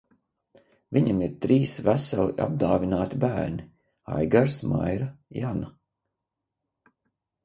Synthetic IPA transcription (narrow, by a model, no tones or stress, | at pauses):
viɲamiɾt̪ɾiːsvæsalˠiʔa̰b̚d̪aːvinaːt̪ibæːɾni | a̰jɡaɾsma̰jɾajana